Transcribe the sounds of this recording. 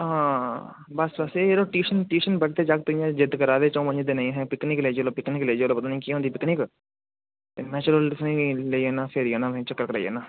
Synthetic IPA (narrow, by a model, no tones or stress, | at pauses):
ãː | bəsbəseeːɾoːʈiːʃənʈiːʃənbəʈt̪eːd͡ʒak̚t̪ʊĩjãːd͡ʒɪd̪kəɾaːd̪eːt͡ʃõũpəɲd͡ʒd̪eːnãĩɦɛ̃ːpɪknɪkleːd͡ʒeloːpɪknɪkleːd͡ʒːloːpət̪aːnĩːkiːɦõnd̪iːpɪknɪk | t̪eːnɛːt͡ʃəɾəlsnĩːleieːnãːpʰeːɾiːaːnãːẽt͡ʃəkːəɾkəɾa̰ːijḛːnãː